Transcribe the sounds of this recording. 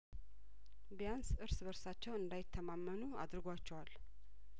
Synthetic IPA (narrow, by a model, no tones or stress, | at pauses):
bijansʔɨɾsbəɾsat͡ʃːɛwɨnd̪ajɪt̪ʰːəmamːənua̰d̪ɾɨɡoat͡ʃːɛwal